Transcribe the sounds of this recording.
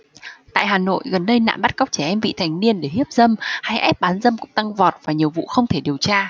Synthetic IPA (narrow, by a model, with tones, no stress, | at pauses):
t̪a̰ː˧˨jɦaː˨˩no̰˧˨jɣə˨˩nɗə˧jna̰ː˧˨mɓa˦˥t̚kɔ˦˥wk͡p̚t͡ɕɛ˧˩ʔɛ˧mvḭ˧˨t̪ʰa˨˩jŋ̟ni˧ənɗe˧˩ɦi˦˥əp̚zə˧mha˧jʔɛ˦˥p̚ɓaː˨˦nzə˧mkʊ̰˧˥ŋ͡mt̪a˧ŋvɔ˨˩t̚vaː˨˩ɲi˨˩əwvṵ˧˨xə˧wŋ͡mt̪ʰe˧˩ɗi˨˩əwt͡ɕaː˧